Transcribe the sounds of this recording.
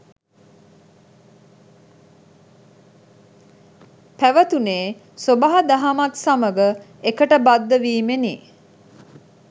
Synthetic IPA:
pæʋət̪uneː | sobaɦad̪aɦamat̪saməɡə | ekəʈəbad̪ːəʋiːmenḭː

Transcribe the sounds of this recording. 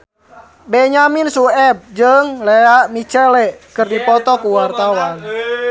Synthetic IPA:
bɛɲaminsuɛb̚d͡ʒəŋlɛaʔmit͡ʃəlɛʔkɨrdipɔt̪ɔkuwart̪awan

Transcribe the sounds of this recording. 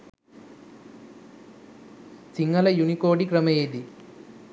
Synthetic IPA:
t͡ʃiŋɡɐlɐjunikoːɖikɾɐmɐjeːd̪i

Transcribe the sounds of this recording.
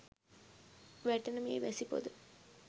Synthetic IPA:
ʋæʈenəmieʋæsipo̰d̪ə

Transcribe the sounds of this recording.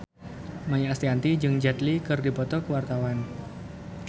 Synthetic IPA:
majaast̪iant̪id͡ʒɨŋd͡ʒɛt̪likɨrdipɔt̪ɔkəwart̪awan

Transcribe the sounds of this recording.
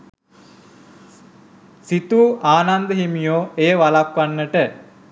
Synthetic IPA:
sit̪uːʔaːnand̪əɦimijoːejəʋalakʋanːəʈə

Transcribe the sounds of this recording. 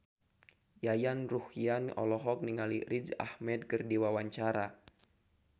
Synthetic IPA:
jajanruhianʔɔ̰lɔɦɔk̚niŋaliɾid͡ʒa̰hmɛd̚kɨrdiwawaɲt͡ʃaɾa

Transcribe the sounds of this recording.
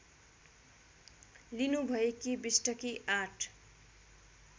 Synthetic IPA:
linubʱʌjekibisʈʌkiʔaʈʰ

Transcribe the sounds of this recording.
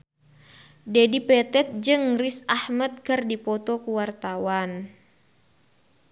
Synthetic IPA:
dedipɛt̪ɛt̪̚d͡ʒɨŋrisahmat̪̚kɨrdipɔt̪ɔkuwart̪awan

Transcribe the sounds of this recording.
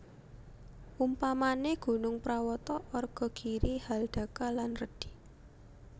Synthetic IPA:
umpamaneɡ̥ṳnʊŋpɾawɔt̪ɔʔɔrɡ̥ɔ̤ɡ̥iɾihalɖ̪̥a̤kalanrəd̥i̤

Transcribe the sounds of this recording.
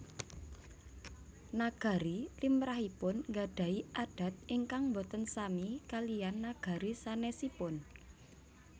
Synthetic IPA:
naɡ̥a̤ɾilimɾaɦipʊnŋɡaɖ̥a̤iʔaɖ̥ä̤t̪̚iŋkaŋmbot̪ənsamikalijanːaɡ̥a̤ɾisanɛsipʊn

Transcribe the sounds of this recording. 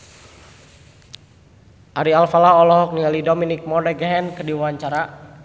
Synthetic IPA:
ʔaɾialfalaɔlɔɦɔk̚nialidominik̚mɔrɛɡɛɦɛnkədiwaɲt͡ʃaɾa

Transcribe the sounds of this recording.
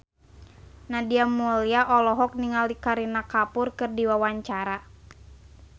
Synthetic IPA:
nadiamuliaʔɔlɔɦɔk̚niŋaldikaɾinakapʊrkɨrdiwawaɲt͡ʃaɾa

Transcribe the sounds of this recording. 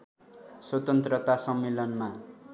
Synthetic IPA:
swʌt̪ʌnt̪rʌt̪asʌmːelʌnma

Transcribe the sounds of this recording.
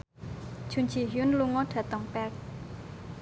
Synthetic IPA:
t͡ʃʰunt͡ʃʰiɦjunluŋɔdʰat̪ɔŋpɛk̚

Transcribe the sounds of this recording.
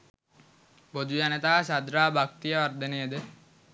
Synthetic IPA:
bod͡ʒ̪ujanet̪aɦasad̪ɾaːbʱakt̪ijəʋɐɾd̪ʱɐnejəd̪e

